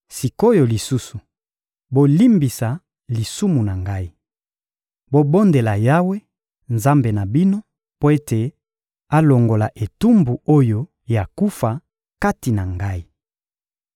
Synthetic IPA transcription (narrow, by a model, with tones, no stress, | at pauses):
si˨ko˦jo˨li˨su˦su˨ | bo˨li˦mbi˨sa˨ | li˨su˦mu˨na˨ŋɡa˦i˦ | bo˦bo˦nde˨la˨ja˦we˦ | nza˦mbe˨na˨bi˦no˦ | po˦e˦te˨ | a˦lo˨ŋɡo˨la˨ʔe˨tu˦mbu˨o˦jo˨ | ja˨ku˦fa˨ | ka˦ti˨na˨ŋɡa˦i˦